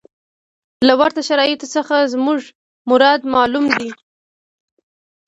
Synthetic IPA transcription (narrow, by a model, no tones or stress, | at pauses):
lawaɾt̪aʃaɾɑjɪt̪osəxazmuʐ | mʊɾɑd̪mɑlumd̪i